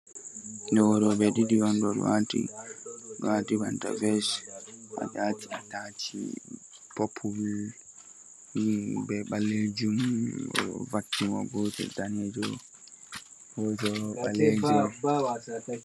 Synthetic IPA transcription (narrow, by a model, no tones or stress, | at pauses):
dɔɔɾɔbɛɗidiwɔndɔɾ̰wa̰tḭ | watibanta̰vɛsʔa̰d͡ʒaːtiatat͡ʃḭ | pɔpʰːubil | ibɛɓalːed͡ʒumɔ̰ɔ̰vakːimɔ̰ɡɔtɛ̰danɛd͡ʒɔ | wɔd͡ʒɔalːed͡ʒuaw